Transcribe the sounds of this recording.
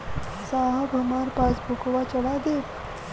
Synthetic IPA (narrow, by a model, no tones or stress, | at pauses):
saɦabʱəmaɾpat͡sbʱukʋat͡ɕəɽad̪et̪